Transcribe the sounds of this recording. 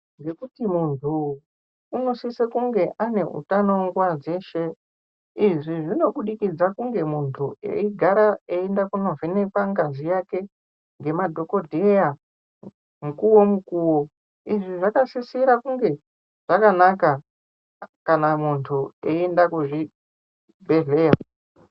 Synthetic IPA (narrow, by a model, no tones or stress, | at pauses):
ŋɡe̞kutimuntʰuː | no̞sisekuŋɡe̞ʔane̞ʔṵtanoŋɡwad͡ze̞ʃe̞ | iʐiʐino̞ɓuɗikid͡zakuŋɡe̞muntʰuḛiɡʱaɾaeendakuno̞venekwaŋɡazijake̞ | ŋɡe̞madʱo̞ko̞dʱeja | mukuwo̞mukuwo | iʐiʐakasisiɾakuŋɡe̞ | ʐ̥akanaka | kanamuntʰueendakuʐi | bʱe̞ɮe̞ːja